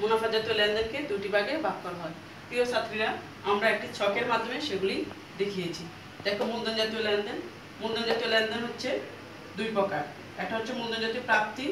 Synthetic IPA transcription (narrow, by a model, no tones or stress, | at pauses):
monafad͡ʑat̪olɛnd̪enked̪uʈibaɡebʱab̚kɔɾaɦɔe | t̪iosat̪ːɾiɾa | amɾaek̚ʈit͡ɕɔkeɾmad̪ʱːomeʃeɡuli | d̪ekʰijet͡ɕʰi | d̪ɛkʰomond̪ond͡ʑat̪iolɛnd̪en | mond̪ond͡ʑat̪iolɛnd̪enɦotːɕʰe | d̪ujpɔkaɾ | ɛk̚ʈaɦotːʰemond̪ond͡ʑat̪iopɾap̚t̪i